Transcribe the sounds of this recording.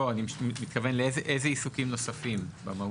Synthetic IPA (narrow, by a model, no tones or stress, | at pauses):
oanimmit̪̚kavenleezeʔejzeisukimno̞safimbama